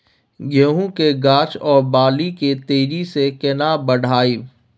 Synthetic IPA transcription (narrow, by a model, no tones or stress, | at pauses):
ɡʱeɦũkeɡaːt͡ʃɔːɾbaːliket̪eːɾisekɪnaːbɐɽ̤ʱaːiː